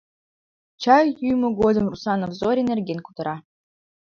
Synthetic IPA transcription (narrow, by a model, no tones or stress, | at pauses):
t͡ɕɑjjyjmoɡod̪ɤ̆mrusɑnofzoɾʲenʲerɡʲenkut̪ɤ̆ɾɑ